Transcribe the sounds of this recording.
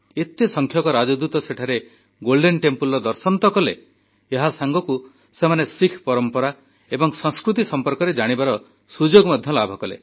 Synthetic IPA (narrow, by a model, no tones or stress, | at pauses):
et̪esɔŋkʰjɔkɔɾad͡ʒɔd̪ɾut̪ɔseʈʰaɾe | ɡolɖenʈempulɔd̪ɔɾsɔnt̪ɔkɔle | eɦasaŋɡɔku | semanesikʰpɔɾɔmpɔɾa | ebɔŋsɔ̃ŋ̃skɾut̪isɔmpɔɾkɔɾed͡ʒaɽ̃ibaɾɔ | sud͡ʒoɡmad̪ʱjɔlabʱɔkɔlḛ